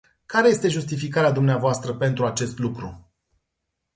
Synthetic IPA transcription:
kaɾeje̞st̪e̞ʒust̪ifikaɾead̪umneavoast̪ɾəpe̞nt̪ɾuat͡ʃe̞st̪lukɾṵ

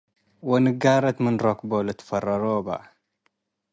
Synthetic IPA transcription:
wɪnɪɡaːɾˤɑt̪mɪnɾˤokbolat̪fɑrˤːɑɾoːba̰

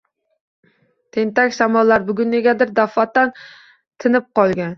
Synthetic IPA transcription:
t̪ʰɪnt̪ɛkʲsɑmɑlˠːɑɾbʊɡʲynɪɡʲɛd̪ɪɾd̪ɑfɑt̪ːɛn | t̪ʰɪnɪp̚qʰɒlˠɡʲɛn

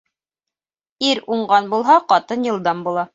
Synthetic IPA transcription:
iɾuɴɢɑnbulˠɦɑqɑt̪ɤnjɤ̆lˠd̪ɑmbulˠɑ

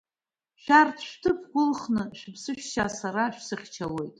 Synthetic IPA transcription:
ʃᶣartʰʃʷᶣtʰɨpʰɡʷʊlχnɨʃᶣbsɨʃᶣʃasaɾaʃᶣsɨχʲt͡ʃʰawe̞jtʼ

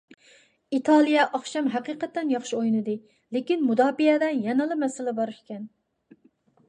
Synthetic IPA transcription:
it̪ʰɑlˠijɛʔɑχʃɑmɦɛqiːqɛt̪ːɛnjɑχʃiojnɨd̪ɨ | lɪkʲinmud̪ɑːbijɛd̪ɛnjɛnɨlˠɨmɛsɪlɪbɑɾʃkʲɛn

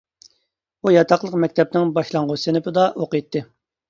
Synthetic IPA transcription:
ujɑt̪ʰɑqlˠəqmɛkʲt̪ʰɛp̚nɪŋbɑʃlˠɑŋʁʊsenɪpɨd̪ɑʔoqət̪ʰːɨ

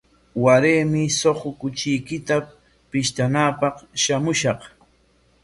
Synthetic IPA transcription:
waɾeːmɪsoχokʊt͡ʃɪjkɪt̪a | pɪʃt̪anaːpɑqʃamʊʃɑq

